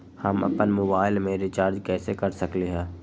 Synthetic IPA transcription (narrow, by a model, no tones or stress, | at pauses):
hɐmɐ̰pənmoːbaːɪlmẽɾɪt͡ʃaːɾd͡ʒkɛːsekɐɾsɐkleɦɛ̃ː